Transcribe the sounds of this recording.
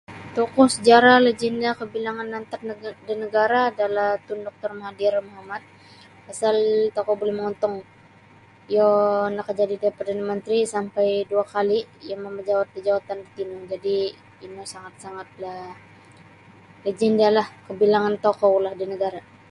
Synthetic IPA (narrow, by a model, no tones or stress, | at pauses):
t̪ɔkɔsəd͡ʒaɾaled͡ʒɛndakəbilaŋanːant̪ar̚dinəɡaɾaːdalaht̪undɔk̚t̪ɔrmaɦadiɾmoɦamat̪̚ | asalt̪okɔbolɛhməŋɔnt̪ɔŋ | jonakəd͡ʒadidaipərdanamənt̪ɾisampajduakalijamaməd͡ʒawat̪̚bəd͡ʒawat̪andit̪imaŋd͡ʒadi | inosaŋat̪̚saŋat̪̚la | led͡ʒɛndalahkəbilaŋant̪okɔwlahdinəɡaɾa